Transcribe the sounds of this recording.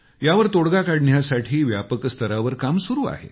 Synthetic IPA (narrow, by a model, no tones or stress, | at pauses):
jaʋəɾt̪oɽɡakaɽɳjasaʈʰiːʋjapəkst̪ʰəɾaʋəɾkamsuɾuːa̰ɦḛ